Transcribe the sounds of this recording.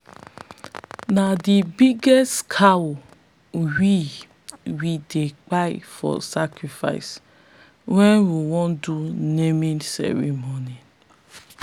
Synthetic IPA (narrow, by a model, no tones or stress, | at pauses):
nadibiɡɛskʰawo | wi | widek͡paɪfɔ̰sakɹifa̰ɪs | wɛ̃nwiwɔ̃ndunemĩnsɛ̰ɹḭmɔni